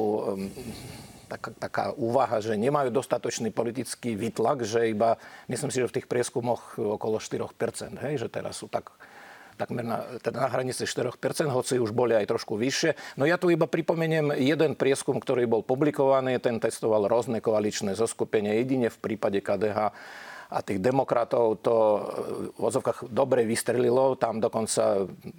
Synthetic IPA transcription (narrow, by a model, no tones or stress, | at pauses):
t̪akt̪aka̰ːʔuːʋaɦaʒɛɲɛmajuːd̪ɔst̪at̪ɔt͡ʃniːpɔlit̪it͡skiʋiːt̪laɡʒɛibamislimsiʒɛft̪iːxpɾɪɛskumɔxɔkɔlɔʃt̪iɾɔxpɛɾt͡sɛ̰nd̪ɦɛjʒɛt̪ɛ̰ɾa̰sːut̪akt̪aɡmɛɾna̰t̪ɛd̪anaɦɾaɲit͡siʃt̪iɾɔxpɛɾt͡sɛnd̪ɦɔt͡siuʒbɔliajt̪ɾɔʃkuʋiʃɪɛnɔjat̪uibapɾipɔmɛɲɛmjɛd̪ɛnpɾɪɛskumkt̪ɔɾiːbɔlpublikɔʋaniːt̪ɛnt̪ɛst̪ɔʋalɦɾɔznɛkɔalit͡ʃnɛzɔskupɛɲɪɛjɛɟiɲɛfpɾiːpaɟɛkaːd̪ɛɦaːa̰t̪iːɣd̪ɛmɔkɾat̪ɔʊt̪ɔ | uʋɔ̰d͡zɔʊkaɣd̪ɔbɾɛʋist̪ɾɛlilɔt̪amd̪ɔkɔnt͡sa̰